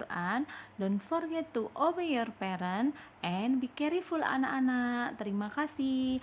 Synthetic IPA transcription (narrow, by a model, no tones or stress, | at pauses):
randɔnfɔrɡɛt̪ːuʔɔwəjɔrpɛɾənʔɛnbikɛɾifula̰naʔanaʔt̪əɾimakasi